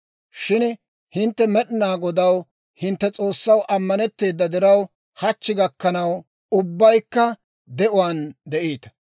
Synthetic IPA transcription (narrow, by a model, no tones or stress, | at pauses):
ʃɪn | hɪnt̪ːɛmɛɗɪnaːɡɔd̪ɐw | hɪnt̪ːɛt͡sʼo̞ːsːɐwʔɐmːɐnɛt̪ːe̞ːd̪ːɐd̪ɛɾɐw | hɐt͡ʃːɪɡɐkːɐnɐw | ʊbːɐjkːɐ | d̪ɛʔʊwand̪ɛʔiːt̪ɐ̥